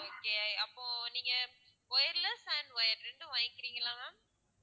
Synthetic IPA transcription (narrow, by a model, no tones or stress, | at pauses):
oːkːeːɐpːoːniːŋɡɐ | pɔjɐɾlɐsaːnʋɔjɐɾɾɪɳɖɯʋãːjɪkːɪɾiːŋɡɐlãːnãː